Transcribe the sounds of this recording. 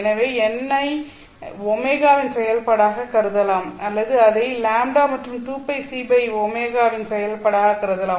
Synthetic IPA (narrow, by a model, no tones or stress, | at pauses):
ɛnɐʋeːɛnːɐɪ | ɔmeːɣaːʋɪnsɛjɐlpɐɽaːɣɐkɐɾɯðɐlaːmɐlːɐðɯɐðɐɪlaːmɖaːmɐʈrɯmt̪uːpːɐɪsiːbɐɪɔmeːɣaːʋɪnsɛjɐlpɐɽaːɣɐkɐɾɯðɐlaː